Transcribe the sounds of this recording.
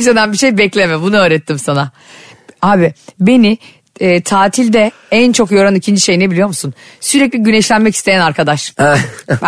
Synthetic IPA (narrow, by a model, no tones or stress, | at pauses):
sed̪ænbiʃe̞jbɛclʲe̞mɛbunuøːɾɛt̪ʰːimsana | aːbibe̞niː | t̪ʰaːt̪ʰilʲd̪ɛ | ænt͡ʃʰo̞kjo̞ɾanicʰind͡ʒiʃe̞jinebilʲijo̞ɾmusunsyɾɛclʲiɟynɛʃlʲænmɛci̥st̪ʰe̞jænaɾkʰad̪aʃ